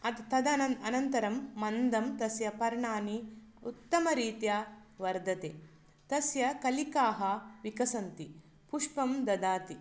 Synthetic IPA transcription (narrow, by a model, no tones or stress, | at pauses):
ɐt̪t̪ɐd̪ɐɐɐnɐnt̪ɐɾɐmːɐnd̪ɐmt̪ɐsjɐpɐɾɳaːni | ut̪ːɐmɐɾiːt̪jaʋɐɾd̪ʱɐt̪eː | t̪ɐsjɐkɐlikaːɦɐʋikɐsɐnt̪i | puʂpɐmd̪ɐd̪aːt̪i